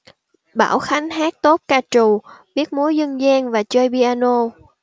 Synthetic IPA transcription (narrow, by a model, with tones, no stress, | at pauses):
ɓa̰ː˧˩wxa˨˦ŋ̟ɦaː˦˥k̚t̪o˦˥t̚kaː˧t͡ɕu˨˩ɓi˦˥ət̚mu˨˦əjzə˧nzɛː˧nvaː˨˩t͡ɕəː˧jɓi˧ʔaː˧no˧